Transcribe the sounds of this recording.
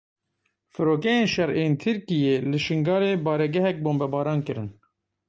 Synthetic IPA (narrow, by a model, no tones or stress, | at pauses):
fɨɾoːkɛjeːnʃɛɾeːnt̪ʰɨɾkijeːlɨʃɨŋɡɑːɾeːbɑːɾɛɡɛɦɛk̚boːmbɛbɑːɾɑːnkɨɾɨn